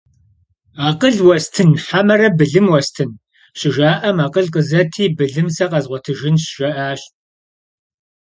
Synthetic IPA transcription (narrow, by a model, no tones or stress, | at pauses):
aːqəɮwɐstʰɨnħamɐɾɐbɨɮɨmwɐstʰɨn | ɕɪʒaːʔɐmaːqəɮqəzɐtʰiːbɨɮɨmsɐqɐzʁʷɔtʰɨʒɪnɕʒ̥ɐʔaːɕ